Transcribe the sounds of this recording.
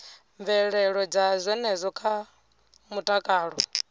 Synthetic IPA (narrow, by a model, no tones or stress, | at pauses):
ɱvɛɺɛɺɔd͡zazʷwɛnɛzʷɔkʰa | mutʼakʼaːɺɔ